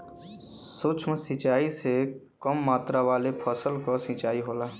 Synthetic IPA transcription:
sut͡ʃʰmsĩt͡ʃaːisekəmːaːt̪ɾaʋaːlepʰəsəlkɔsĩt͡ʃaːiɦoːlaː

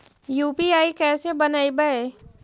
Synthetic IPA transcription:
juːpiaːikɛːsebɐnaːibɐe

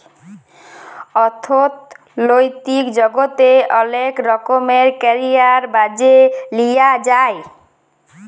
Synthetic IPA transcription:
ɔt̪ʰot̪ | lojt̪ikd͡ʑɔɡot̪eɔlekɾɔkomeɾkɛɾiaɾbad͡ʑelijad͡ʑae

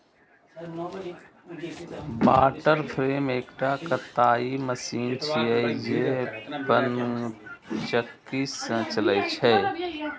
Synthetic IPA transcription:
baːʈəɾpʰɾeːmeːkʈaːkət̪ːaːiməsiːnt͡ʃʰiːid͡ʒebən | t͡ʃəkːiːsə̃t͡ʃələjt͡ʃʰɛː

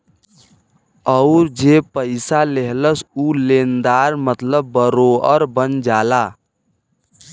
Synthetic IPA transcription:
əʊɾd͡ʒepəɪsaleɦləsulend̪aɾmət̪ləbːəɾoəɾbənd͡ʒala

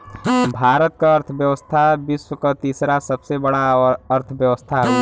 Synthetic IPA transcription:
bʱaːɾət̪̚kaɐɾt̪ʰbjəʋəst̪ʰabɪswəkat̪iːsɾasɐbsebɐɽaɔɾɐɾt̪ʰʋjəʋəst̪ʰaɦɛ

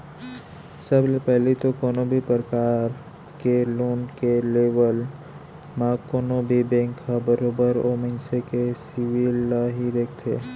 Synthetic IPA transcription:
səblepɛɦlit̪okoːnobʱipəɾəkaːɾ | keloːnkeleːʋəl | mãːkoːnobʱibẽːŋkːabəɾoːbəɾoːmɪ̃nsekesiʋilːaɦid̪eːk̚ʰt̪ʰeː

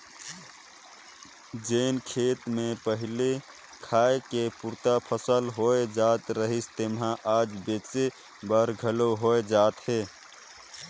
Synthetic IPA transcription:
d͡ʒeːnkʰeːt̪mẽpəɦɪle | kʰaːekepuɾt̪apʰəsəlɦoed͡ʒaːt̪ɾəɦist̪emɦãʔaːd͡ʒbese | bəɾɡʱəloɦoed͡ʒaːt̪ɦeː

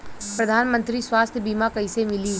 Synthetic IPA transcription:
pɾəd̪ʱaːnmə̃nt̪ɾiswaːst̪ʰjbiːmakɐɪsemɪli

